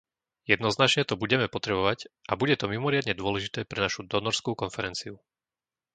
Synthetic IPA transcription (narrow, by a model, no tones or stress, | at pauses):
jɛd̪nɔznat͡ʃɲɛt̪ɔbuɟɛmɛpɔt̪ɾɛbɔʋaɟʔabuɟɛt̪ɔmimɔɾɪad̪ɲɛd̪ʊɔlɛʒit̪ɛːpɾɛnaʃud̪ɔnɔɾskuːkɔnfɛɾɛnt͡siu